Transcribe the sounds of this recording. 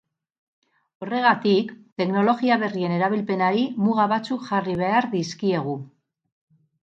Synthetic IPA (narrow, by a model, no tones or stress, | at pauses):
o̞re̞ɣat̪ikt̪e̞kno̞lo̞ɣiaβ̞e̞rie̞ne̞ɾaβ̞ilpe̞naɾimuɣaβat͡sukʝariβ̞e̞aɾðiskie̞ɣ̞u